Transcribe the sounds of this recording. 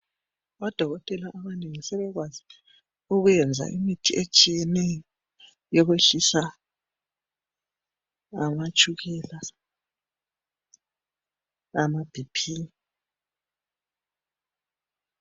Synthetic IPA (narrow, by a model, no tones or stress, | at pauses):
ɔd̥ʱɔɣɔtʼɛlaʔːβaneŋisɛβɛɣwazi | uɣujɛnd͡zʱa̰ʔḭmitʰiʔet͡ʃʼijɛnɛjɔ | jɔɣweɬisa | amat͡ʃʼuɣɛːla | amab̥ʱipʰiːni